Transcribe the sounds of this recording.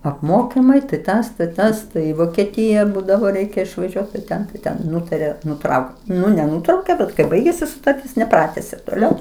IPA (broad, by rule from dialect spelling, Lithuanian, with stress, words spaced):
ɐpˈmoːkʲɪmɐɪ tɐɪ ˈtɐs tɐɪ ˈtɐs ˈtɐɪ ɪ ʋoːkʲɛˈtʲɪjɛ ˈbuːdɐʋoː ˈrʲɛɪkʲɛ ɪʃʋɐˈʒʲuɔt tɐɪ ˈtʲɛn tɐɪ ˈtʲɛn ˈnʊtɐrʲeː nʊˈtrɐʊkt ˈnʊ nʲɛˈnʊtrɐʊkʲeː ˈbʲɛt kɐɪ ˈbɐɪɡʲeːsʲɪ sʊtɐrʲˈtʲɪs nʲɛˈprɑːtʲɛsʲeː toːˈlʲɛʊ